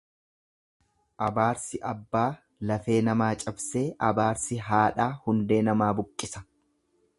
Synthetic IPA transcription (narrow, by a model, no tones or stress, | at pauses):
ʔɐbaːɾsɪʔɐbːaː | lɐfe̞ːnɐmaːt͡ʃʼɐbse̞ːʔɐbaːɾsɪɦaːᶑaːhʊnd̪e̞ːnɐmaːbʊkʼːɪsɐ̥